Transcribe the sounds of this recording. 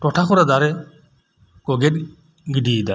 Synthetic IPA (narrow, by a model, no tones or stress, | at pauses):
ʈɔʈʰakɔɾad̪aɾɛ | kɔɡɛt̚ | ɡiɖid̪a